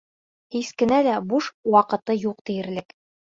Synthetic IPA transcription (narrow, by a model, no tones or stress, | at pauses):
hiskɘ̆nælæbuʃwɑqɤ̆t̪ɤjuq̚t̪ɘ̆jɘ̆ɾlɘk